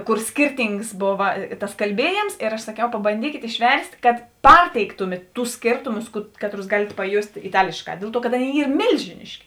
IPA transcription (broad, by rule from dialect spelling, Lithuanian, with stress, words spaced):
ˈkʊr sʲkʲɪrʲˈtʲiːŋks ˈboːʋɐ tɐs kɐlʲˈbʲiɛjeːms ɪr ɐʃ sɐˈkʲɛʊ pɐbɐnʲˈdʲiːkʲeːt ɪʃʲˈʋʲɛrʲsʲtʲ kɐt ˈpɐrʲtʲɛɪktʊmʲeːt ˈtʊs ˈsʲkʲeːrtʊmʊs ˈkɑːtˌrʊs ˈɡɑːlʲeːt pɐˈjoːsʲtʲ ɪˈtɑːlʲeːʃˌkɑː ˈdʲeːlˠ ˈtuɔ kɐt ˈɑːˌnʲeːɪ ˈiːr ˈmʲeːlʲʒʲɪnʲɪʃʲkʲɪ